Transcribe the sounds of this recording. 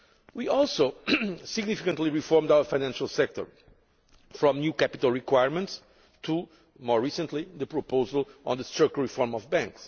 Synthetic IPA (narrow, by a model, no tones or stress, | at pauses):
wiʔɔlˠsoʊsɪɡnifikə̃ntˡliɹifɔɹmdawə˞fajnæ̃nʃalˠsɛk̚t̪ɔ̰˞ | fɹɔ̃mnjukæpitəlˠɹikwaɪjɹmə̃nts | tʰu | mɔɹːisə̃ntliðəpɹɔpoʊzəlˠɔ̃nðəstɹɜkɹifɔɹmɔvbæ̃ŋks